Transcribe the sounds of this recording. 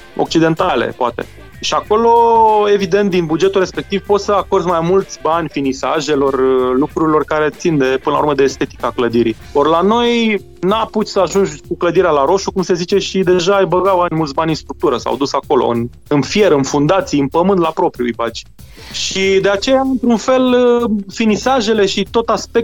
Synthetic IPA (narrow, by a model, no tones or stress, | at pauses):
o̞̰k̚t͡ʃid̪e̞nt̪alḛpoat̪e̞̰ | ʃiako̞lo̞e̞vid̪ent̪̚d̪inbud͡ʒe̞t̪ulrɾe̞spe̞k̚t̪ivpo̞t̪səako̞rd̪majmult̪sʲbanʲfinisa̰ʒe̞lo̞rlukɾuɾilo̞rkaɾe̞t̪sind̪e̞pɨnəlauɾməd̪eːst̪e̞t̪i̥kakləd̪iɾḭ | orlano̞j | naput̪ʲsəaʒund͡ʒkukləd̪iɾealaɾo̞ʃukumse̞zit͡ʃe̞ʃid̪e̞ʒajbəɡawanʲmult̪sʲbanʲinst̪ɾuk̚t̪uɾəsa̰wd̪usako̞lo̰ɨ̰n | ɨnfije̞ɾəɨnfund̪at̪sijɨnpəmɨnd̪lapɾo̞pɾiujbat͡ʃi | ʃʃid̪e̞at͡ʃe̞jaɨnt̪ɾunfe̞lfinisaʒe̞le̞ʃit̪o̞t̪aspe̞k̚t̪